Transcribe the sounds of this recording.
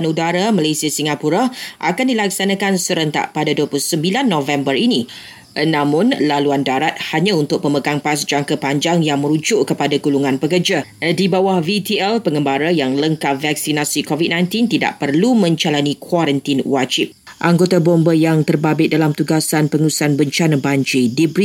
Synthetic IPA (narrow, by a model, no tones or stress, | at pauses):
nudaɾamalasiasiŋapuɾaʔakandilaksanãkansəɾənt̪a̰ʔpadaduəpluusəmbilanːɔvɛmbərini | nãmʊ̃nlaluandaɾat̪̚haɲãunt̪ʊk̚pəməɡaŋpas̬d͡ʒaŋkapaɲd͡ʒaŋjaŋmə̃ɾud͡ʒʊʔkəpadaɡuluŋãnpəkərd͡ʒa | dibawahvit̪iɛlpəŋəmbaɾajaŋləŋkavaksinasikɔvit̚nãjnt̪int̪ida̰ʔpərlumə̃ɲt͡ʃalanikʰwaɾənt̪inwad͡ʒɪp̚ | ʔaŋɡot̪abɔmbəjaŋt̪ərbabɪt̪̚dalamt̪uɡasanpəŋusanbəɲt͡ʃanabaɲd͡ʒidibɾi